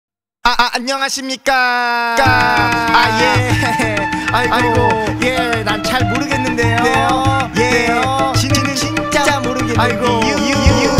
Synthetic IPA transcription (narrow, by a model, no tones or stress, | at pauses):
aʔʔaɲːʌŋɦaɕʰimɲik͈ak͈aaje | aiaɾiɡoenat͡ɕʰaɭmoɾɯɡe̞nːɯndedejojeet͡ɕinnɯit͡ɕ͈at͡ɕ͈amoɾɯɡeaiɡoii